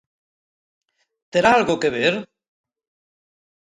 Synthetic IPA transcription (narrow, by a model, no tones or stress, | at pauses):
t̪eɾaalɣokeβeɾ